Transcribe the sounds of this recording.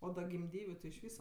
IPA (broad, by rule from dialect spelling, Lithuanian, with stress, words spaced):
oː dɐ ɡʲɪmʲˈdʲiːʋʲʊ tʲɪ ɪʃ ˈʋʲiːsɐ